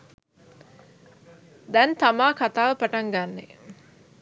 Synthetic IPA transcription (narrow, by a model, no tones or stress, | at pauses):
d̪ɛnt̪amaːkat̪aːʋəpaʈaŋɡanːe